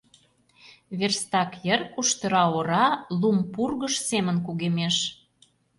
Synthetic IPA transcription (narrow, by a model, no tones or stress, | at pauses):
βerst̪ɑkjərkuʃt̪ə̆ɾɑoɾɑlumpurɣə̆ʃsemənkuɣemeʃ